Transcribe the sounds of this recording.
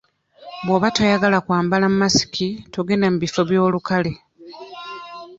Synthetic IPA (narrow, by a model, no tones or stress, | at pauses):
bwoβatojaɡalakwaːmbalamumasi̥kʰitoɡe̞namuβifo̞βjo̞ːlukale̞